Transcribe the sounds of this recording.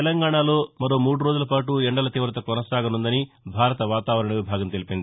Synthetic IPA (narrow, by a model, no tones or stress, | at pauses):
ɛlɐŋɡaːɳaːlo̞ːmɐɾo̞ːmuːɽuɾo̞ːd͡ʒulɐpaːʈuɛɳɖɐlɐt̪iːʋɾɐt̪ɐkɔnɐsaːɡɐnund̪ɐni | bʱaːɾɐt̪ɐʋaːt̪aːʋɐɾɐɳɐʋibʱaːɡɐmt̪elipind̪i